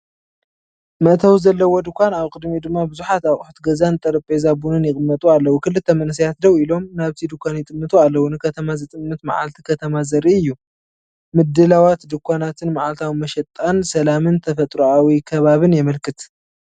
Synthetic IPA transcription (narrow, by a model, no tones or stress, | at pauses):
mɐʔt̪ʰawzɐlːɐwo̞d̪ɨkʷʰːanaβkʼɨd̪mid̪ɨmːabɨzuħat̪aβʔʼħut̪ɡɐzant̪ʼɐɾɐpʼezabunɨnjɪkʼɨmːɐt̪ʼualːɐwukʰɨlɨt̪ʰːɐmɐnɨs̬ɐjat̪̚d̪ɐwilo̞mnaβt̪ʰid̪ɨkʷʰːanjɪt̪ʼɨmːɨt̪ʰʼualːɐwunɨkʰɐt̪ʰɐmazɨt̪ʼɨmːɨt̪ma̰ʕa̰lt̪ʰi̥kʰɐt̪ʰɐmazɐɾiɨjːu | mɨd̪ɨlawat̪d̪ɨkʷːanat̪ʰɨnmaʕalt̪ʰawimɐʃɛt̪ʼːansɐlamɨnt̪ʰɐfɐt̪ʼɾuawikʰɐβaβɨnjɛmɐlkʰɨt̪